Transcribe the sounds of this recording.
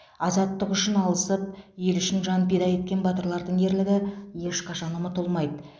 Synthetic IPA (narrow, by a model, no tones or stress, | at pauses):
ɑzɑt̪ːəqʏʃɪnɑlˠəsəp̚je̞lʏʃɪnʒɑnped̪ɑje̞t̪̚kʲe̞nbɑt̪əɾlˠɑɾd̪əɴe̞ɾlɪɡʲɪje̞ʃqʰɑʃɑnumət̪ʰʊlˠmɑjd̪ə